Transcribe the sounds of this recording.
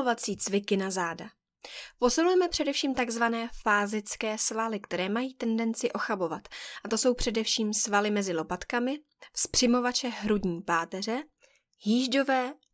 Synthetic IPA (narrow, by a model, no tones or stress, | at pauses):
ovat͡siːt͡svɪkɪnazaːda | po̞sɪlujɛmɛpr̥ɛdɛfʃiːmt̪aɡzvanɛːfaːzɪt͡skɛːsvalɪkt̪ɛɾɛːmajiːt̪ɛndɛnt͡sɪʔo̞xabo̞vat̪ʔat̪o̞so̞wpr̝̥ɛdɛfʃiːmsvalɪmɛzɪlo̞pat̪kamɪ | fspr̥ɪmo̞vat͡ʃɛɦɾudɲiːpaːt̪ɛr̝ɛ | jiːʒdo̞vɛː